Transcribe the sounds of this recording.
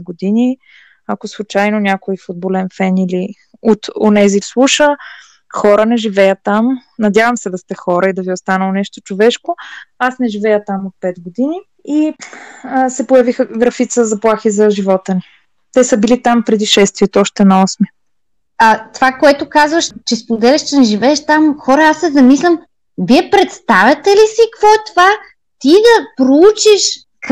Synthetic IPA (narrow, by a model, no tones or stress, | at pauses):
ɛɡod̪ini | ɐkoslˠut͡ʃajnonʲakoifud̪̚bolɛnfɛnili | ot̪o̰nɛzislˠuʃə | xɔɾənɛʒivɛjət̪amnɐd̪ʲjavɐmsɛd̪ɐst̪ɛxɔɾʔəid̪ɐviost̪anəlˠonɛʃt̪o̥t͡ʃovɛʃkoasnɛʒivɛjət̪amot̪̚pɛt̪ɡod̪ini | i | sɛpojɐvixəɡɾɐfit̪səzɐplˠaxizɐʒivɔt̪əni | t̪ɛsəbilit̪ampɾɛd̪iʃɛst̪viɛt̪oɔʃt̪ɛnɐɔsmiə | ɐt̪ovakoɛt̪ʊkazvɐʃt͡ʃɛspod̪ɛlʲiʃt͡ʃɛnɛʒivɛːʃt̪amxɔɾɐasːɛzɐmislʲɐm | viɛpɾɛt̪st̪avʲɐt̪ɛlisikvɔɛt̪ova | t̪id̪ɐpɾout͡ʃiʃ